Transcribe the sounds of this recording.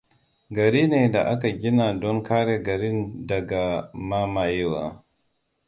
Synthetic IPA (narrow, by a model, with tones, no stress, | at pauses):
ɡɐ˨ɾiː˦neː˨da˨ʔa˦ka˨ɡʲi˦na˨dɔ˦ŋkaː˦ɾe˦ɡɐ˨ɾi˦ndɐ˨ɡa˨ma˦ma˨jɛ˦waː˨